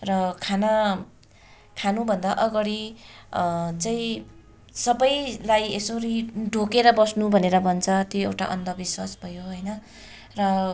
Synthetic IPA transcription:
rʌkʰanʌ | kʰanubʱʌnd̪aʔʌɡʌɽi | t͡saĩ | sʌbʌjlajesoɾiɖʱokeɾʌbʌsnubʱʌneɾʌbʌnt͡sʰʌt̪joewʈa̰ʔʌ̰nd̪ʌbiswasbʱʌjoɦʌjnʌ | rʌ

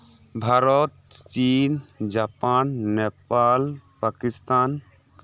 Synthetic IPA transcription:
bʱaɾɔt̪t͡ʃind͡ʒapanːepalpakist̪an

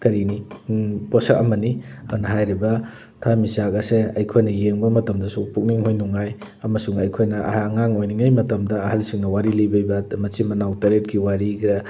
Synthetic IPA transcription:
kɐɾiniposɐkɐmɐniɐnɐɦajɾibɐ | tʰamisakɐseɐjkʰojnɐjeŋbɐmɐtɐmdɐsupuk̚niŋɦojnuŋaj | ɐmɐsuŋɐjkʰojnɐʔːŋaŋojniŋajmɐtɐmdɐːhɐlsiŋnɐwaɾilijbɐjbɐmɐsimɐnawtɐɾet̚ɡiwaɾiɡɾɐ

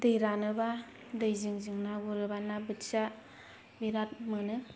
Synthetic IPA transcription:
dɯjɾanɯba | dɯjzɯŋzɯŋnaɡuɾɯbanabɯtsa | biɾat̚mɯnɯ

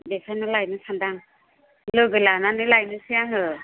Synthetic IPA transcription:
desʰajnalajnɯsʰandaŋ | lɯɡɯlananɯlajnɯsijaŋɯ

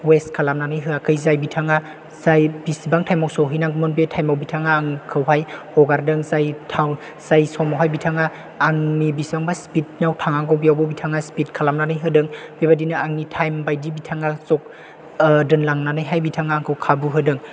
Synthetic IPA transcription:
westkʰalamnanɯjɦɯakʰɯjzajbitʰaŋa | zajbisibaŋtʰajmawsɔwɦijnaŋɡumɔnbetʰajmawbitʰaŋaːŋkʰɯwɦajhɔɡaɾdɯŋzajtʰawn | z̥ajsɔmawɦajbitʰaŋaː | ŋnibisbaŋbaspit̚nawtʰaŋaŋɡɔwbijawbawbitʰaŋaspit̚kʰalamnanɯjɦɯdɯŋb̥ebadinaaŋnitʰajmbajdibitʰaŋasɔk̚ | dɯnlaŋnanɯjɦajbitʰaŋaːŋkʰɯwkʰabuɦɯdɯŋ

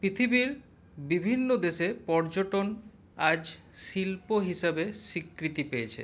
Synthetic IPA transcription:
pɾit̪ʰibiɾ | bibʱinːod̪eʃepɔɾd͡ʑoʈon | ad͡ʑ | ʃilpoɦiʃabeʃikɾit̪ipejet͡ɕʰḛ

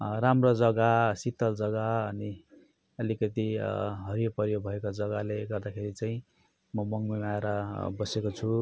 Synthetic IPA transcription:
ɾamrod͡zʌɡasit̪ʌld͡zʌɡaʌni | ʌlikʌt̪iɦʌɾijopʌɾjobʱʌekod͡zʌɡaleɡʌrd̪akʰeɾit͡saĩ | mʌmʌŋmemaeɾʌbʌsekot͡sʰu

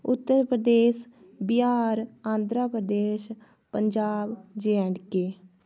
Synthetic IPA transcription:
ʊt̪ːəɾpɾəd̪eːʃ | bɪaːɾãːnd̪ɾaːpɾəd̪eːʃ | pəɲd͡ʒaːbd͡ʒeɽkeː

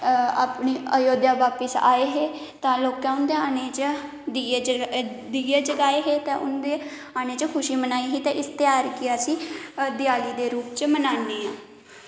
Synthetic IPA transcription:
aːpɳiːəjoːd̪jaːʋaːpəsa̰ːeːɦeː | t̪ãːloːkãːʊnd̪eːaːñeːt͡ʃː | d̪iːeːd͡ʒəɡaːeːɦeːt̪ɛ̃ːʔʊnd̪eː | aːñeːt͡ʃəkʰʊʃiːmənaːiːɦiːt̪ɛ̃ʔɪst̪jaːɾkiasĩːd̪ɪjaːliːd̪eːɾuːpt͡ʃmənaːnːeːãː

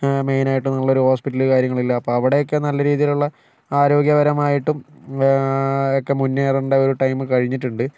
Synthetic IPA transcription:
me̞jnaːjiʈːumnɐɭːo̞ɾuho̞ːspiʈːɐlɨkaːɾjɐŋːɐɭilːɐːpːoːɐʋiɽejo̞kːe̞nɐlːɐɾiːðijiluɭːɐ | aːɾo̞ːɡjɐʋɐɾɐmaːjiʈːum | okːe̞munːeːruɳɖeo̞ɾuʈɐjmɨkɐɻiɲːiʈːuɳɖɨ

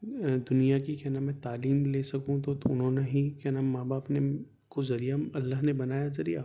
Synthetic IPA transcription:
d̪ʊnijakikɛɦnamɛ̃t̪aːliːmleːsɐkũt̪ot̪oʊnɦõːneɦĩkɛnamãːbaːpne | kozɐɾijaɐlːaːɦnebɐnaːjazɐɾḭja̰

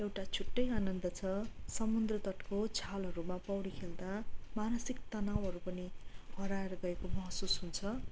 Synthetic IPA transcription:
ewʈat͡sʰuʈːʌjanʌnd̪ʌt͡sʰʌsʌmund̪rʌt̪ʌʈkot͡sʰalʌɾumapʌwɽikʰeld̪amanʌsikt̪ʌnawɦʌɾupʌniɦʌɾaeɾʌɡʌekomʌɦsusɦunt͡sʰʌ

